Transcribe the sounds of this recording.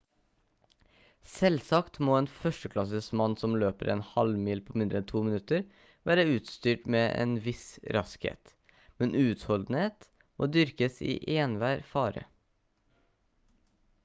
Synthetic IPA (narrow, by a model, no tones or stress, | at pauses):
sɛlsɑkt̪moːeːnfœʂʈəkʰlɑsəsmɑnːsɔmløːpəɾeːnhɑlmiːlpʰoːmɪnd̪ɾəɛnt̪ʰuːmɪnʉt̪əɾ | ʋæːɾəʉːt̪st̪yːʈmeːʔḛːnʋɪsɾʔɑskhḛːt̪ | mɛnʔʉːt̪hɔld̪n̩heːt̪ | mo̰ːd̪ʏɾkəsḭːʔeːnʋæːɾfɑːɾə̰